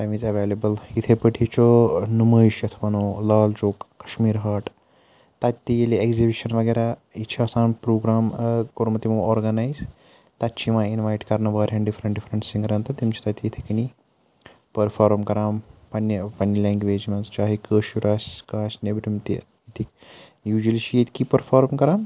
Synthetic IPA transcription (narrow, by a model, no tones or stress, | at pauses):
t̪ajmizɐʋeːlɐbɐlit̪ʰepəʈʰit͡ʃonuməːjʃjɐt̪ʰʋɐnoːlaːlt͡ʃoːkːɐ̥ʃmiːɾɦaːʈ | t̪ɐt̪ijeliekzibiʃɐnʋɐɡeɾait͡ʃʰiaːsãːnpɾoːɡɾaːmkoɾmɐt̪imɐoːɾɡɐnaːjz | t̪ɐt̪ːt͡ʃʰimãːinʋaːjʈkɐɾnɐʋaːɾʲɦɐɳɖifɾɐɳʈɖifɾɐɳʈsĩŋɡɾɐnt̪ɐt̪imt͡ʃʰi̥t̪ɐt̪iːt̪ʰɐkini | pɐɾfʰaːɾmkɐɾaːmpɐnːɐpɐnjɐlẽːŋɡʋeːd͡ʒmɐnzt͡ʃaːɦikəːʃjuɾaːskaːsnebɾimt̪ḭ | it̪i | juːd͡ʒɐlit͡ʃʰijet̪ikipɐɾfʰaːɾmkɐɾaːm